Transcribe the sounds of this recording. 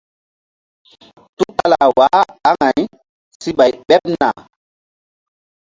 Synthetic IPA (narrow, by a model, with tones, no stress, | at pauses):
tu˦ka˦la˨wa˨˦a˦ŋa˨j | si˦ɓa˨jɓɛ˦p̚na̰˨